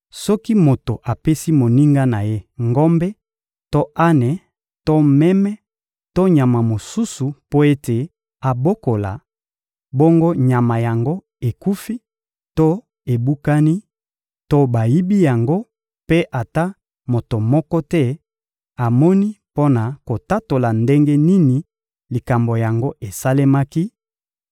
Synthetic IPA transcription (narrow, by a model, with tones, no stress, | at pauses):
sɔ˦ki˦mo˨to˨ʔa˨pe˦si˦mo˨ni˦ŋɡa˦na˨je˦ŋɡɔ˦mbɛ˦ | to˦ʔa˦nɛ˨ | to˦mɛ˦mɛ˦ | to˦ɲa˨ma˨mo˨su˦su˨po˦e˦te˨ | a˨bo˦ko˨la̰˨ | bo˦ŋɡo˦ɲa˨ma˨ja˨ŋɡo˦ | e˨ku˦fi˦ | to˦ | e˨bu˦ka˦ni˦ | to˦ba˨ji˦bi˦ja˨ŋɡo˦ | pe˦ʔa˨ta˦ | mo˨to˨mɔ˦kɔ˦tɛ˦ | a˨mɔ˦ni˦po˦na˨ko˨ta˦to˨la˨nde˦ŋɡe˦ni˦ni˨ | li˨ka˨mbo˨ja˨ŋɡo˦ʔe˨sa˦le˦ma˦ki˦